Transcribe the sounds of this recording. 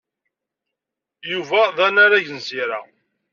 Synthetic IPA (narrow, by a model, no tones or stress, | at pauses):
juvæðænaɾæʝənziɾa